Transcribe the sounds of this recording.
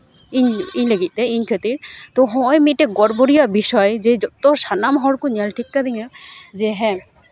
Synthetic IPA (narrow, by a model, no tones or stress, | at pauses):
iɲiɲləɡit̪̚ˀd̪ɛiɲkʰet̪iɾt̪ɔɦɔ̃jmiʈɛɡɔɾbɔɾijabisɔjd͡ʒed͡ʒɔt̪ɔsanamɦɔɽkuɲalʈʰikːad̪iɲad͡ʒɛɦɛ̃